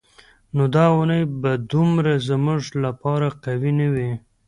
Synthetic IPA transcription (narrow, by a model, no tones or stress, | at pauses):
nod̪ɑʊnəjbad̪ʊmɾazmuʐlapɑɾaqawinawi